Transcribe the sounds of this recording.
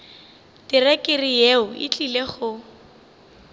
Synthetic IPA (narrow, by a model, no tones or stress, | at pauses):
tɪrɛkʼɪrijeʊɪ̰t͡ɬʼileχʊ